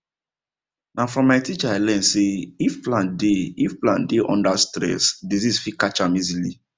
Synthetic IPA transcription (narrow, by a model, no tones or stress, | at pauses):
nãfɹɔ̃mːaɪtit͡ʃaalɛ̃nseifplãndeifplã̰ndeʔɔ̰̃ndastɾɛ̰sdizisfikat͡ʃamizili